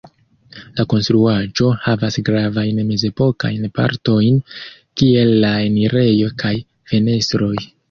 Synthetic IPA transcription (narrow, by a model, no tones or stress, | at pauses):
lako̞nst̪ɾuad͡ʒo̞havasɡɾavajnme̞ze̞po̞kajnpa̰ɾto̞jn | kie̞lːaeniɾe̞jo̞kʰaj | fe̞ne̞stɾo̞j